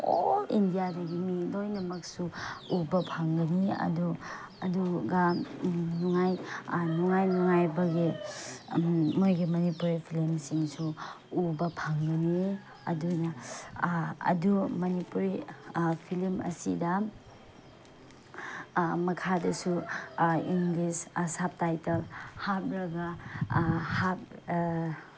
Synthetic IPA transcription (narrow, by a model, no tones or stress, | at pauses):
oindijadɐɡimilojnɐmɐk̚suubɐpʰaŋɡɐniɐ̰du | ɐduɡɐ | nuŋajnuŋajnuŋajbɐɡi | mojɡimɐnipuɾipʰilimsiŋsuː | bɐpʰaŋɡɐni | ɐ̰dunɐ | ɐ̰dumɐnipuɾipʰilimɐ̰sḭdɐ | mɐkʰadɐsu | iŋɡlisɐsap̚tajtɐlhap̚ɾɐɡɐ | hap̚